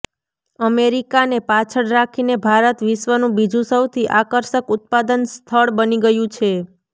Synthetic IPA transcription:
əmeɾikanepat͡ʃʰəɽɾakʰinebʱaɾət̪ʋɪʃʋənũbid͡ʒũsəwt̪ʰiʔakəɾʃəkʊt̪̚pad̪ənst̪ʰəɭbəniɡəjũt͡ʃʰe

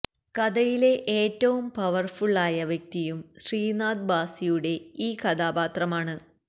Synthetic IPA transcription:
kɐd̪ɐjile̞ʔeːtːɐʋumpɐʋɐrfuɭːaːjɐʋjek̚t̪ijumɕriːnaːd̪baːsijuɽe̞iːkɐd̪aːbaːt̪rɐmaːɳɨ

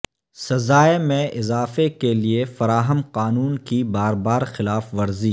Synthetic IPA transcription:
sɐzaːemẽɪzaːfekeliefɐɾaːɦəmqaːnuːnkibaːɾbaːɾxɪlaːfʋɐɾziː

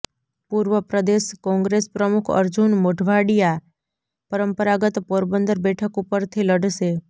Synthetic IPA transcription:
puɾʋəpɾəd̪eʃkɔ̃ŋɡɾespɾəmukʰə̰ɾd͡ʒunmoʈʰʋaɽija | pəɾəmpəɾaɡət̪poɾbənd̪əɾbɛʈʰəkupəɾt̪ʰiləɖʱʃe

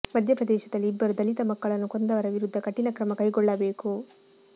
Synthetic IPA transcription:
mɐd̪ʱjɐpɾɐd̪ɛːʃɐd̪ɐlːiːbːɐɾud̪ɐlit̪ɐmɐkːɐɭɐnːuko̞nd̪ɐʋɐɾɐʋiɾud̪ʱːɐkɐʈːinɐkɾɐmɐkɐjɡɔɭːɐbe̞ːku

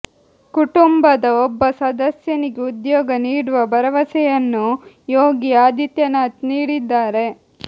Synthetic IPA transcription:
kuʈumbɐd̪ɐobːɐsɐd̪ɐsjɐniɡeud̪jɔːɡɐniːɽuʋɐbʱɐɾɐʋɐsɛjɐnːu | joːɡiaːd̪ʱit̪jɐnaːt̪niːɽid̪ːaːɾe̞

